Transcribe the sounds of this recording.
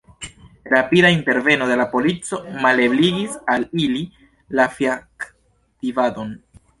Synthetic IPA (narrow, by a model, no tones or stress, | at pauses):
ɾapidainte̞ɾve̞no̞d̪e̞lapo̞lit͡so̞male̞bliɡisalili | lafiak | tivado̞n